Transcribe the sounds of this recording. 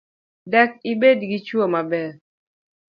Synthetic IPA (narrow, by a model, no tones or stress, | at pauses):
dɛk̚ibedɡit͡ʃwomabɛ